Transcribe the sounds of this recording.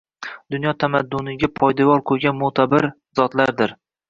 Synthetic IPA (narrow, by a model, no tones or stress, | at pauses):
d̪ʊnjɒt̪ʰamad̪ːʊnɪɡʲapʰɒjd̪avɒɾqʰojɡʲanmʊt̪ʰabɪɾ | zɒt̪laɾd̪ɪɾ